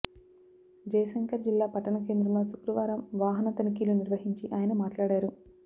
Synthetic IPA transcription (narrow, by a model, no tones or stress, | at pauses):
d͡ʒɐjɐsɐŋkɐɾd͡ʒilːaːpɐʈɐɳɐk̬e̞ːnd̪ɾɐmloːsukɾɐʋaːɾɐmʋaːɦɐnɐt̪ɐnikiːluniɾʋɐɦiɲt͡ʃiʔaːjɐnɐmaːʈlaːɽaːɾu